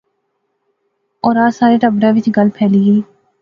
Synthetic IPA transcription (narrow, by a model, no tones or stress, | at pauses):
ɔːɾaːsaːɾeːʈəbɾãːʋɪt͡ʃɡəlpʰɛːliːɡeː